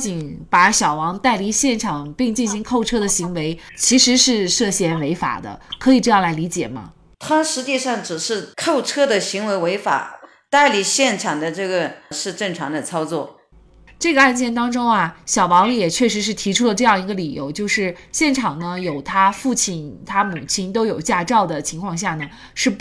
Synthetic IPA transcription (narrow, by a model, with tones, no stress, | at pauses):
t͡ɕi˧˩npa˧˥ɕjɑ˨˩ʊwɑ˧˥ŋt̪a˥˩ɪli˧˥ɕjɛ˥˩nʈ͡ʂʰɑ˨˩ŋpi˥˧ŋt͡ɕi˥˩nɕi˧˥ŋkʰo˥˩ʊʈ͡ʂʰɤ˥d̪ə˨ɕi˧˥ŋwe˧˥ɪ | t͡ɕʰi˧˥ʂɻ̩˧˥ʂɻ̩˥˧ʂɤ˥˩ɕjɛ˥˩nwe˧˥ɪfa̰˨˩d̪ə̰˦kʰɤ˧˥i˨˩ʈ͡ʂɤ˥˧jɑ˥˩ŋla˧˥li˧˥t͡ɕjɛ̰˨˩mɐ̰˦ | t̪ʰa˥ʂɻ̩˧˥t͡ɕi˥˧ʂɑ˥˩ŋʈ͡ʂɻ̩˨˩ʂɻ̩˥˧kʰo˥˩ʊʈ͡ʂʰɤ˥d̪ə˨ɕi˧˥ŋwe˧˥ɪwe˧˥ɪfa̰˨˩˦ | t̪a˥˩ɪli˨˥˩ɕjɛ˥˩nʈ͡ʂʰɑ˨˩ŋd̪ə˦ʈ͡ʂɤ˥˩ɡə˩ʂɻ̩˥˧ʈ͡ʂɤ˥˩ŋʈ͡ʂʰɑ˧˥ŋd̪ə˧t͡sʰɑ˥ʊt͡swɔ̰˥˩ | ʈ͡ʂɤ˥˩ɡə˩a˥˧nt͡ɕjɛ˥˩nt̪ɑ˥ŋʈ͡ʂʊ˥ŋɐ˨ɕjɑ˨˩ʊpɑ˧˥ŋ˧˩jɛ˨˩t͡ɕʰɥɛ˥˩ʂ̬ɻ̩˧˥ʂ̬ɻ̩˥˩t̪ʰi˧˥ʈ͡ʂʰu˥lə˨ʈ͡ʂɤ˥˧jɑ˥˩ŋi˧˥ɡə˧li˨˩jo̰˧˥ʊt͡ɕjo˥˧ʊʂɻ̩˥˧ɕjɛ˥˩nʈ͡ʂʰɑ˨˩ŋnə˦jo˨˩ʊt̪ʰa˥fu˥˩t͡ɕʰi˨˩nt̪ʰa˥mu˨˩t͡ɕʰi˥nt̪o˥ʊjo˨˩ʊt͡ɕja˥˧ʈ͡ʂɑ˥˩ʊd̪ə˩t͡ɕʰi˧˥ŋkʰwɑ˥˧ŋɕ̬ja˥˩nə˩ | ʂɻ̩˥˩